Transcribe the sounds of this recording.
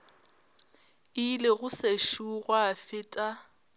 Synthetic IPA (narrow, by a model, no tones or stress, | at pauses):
ɪlɪɣʊseʃuɣwafɪːtʼa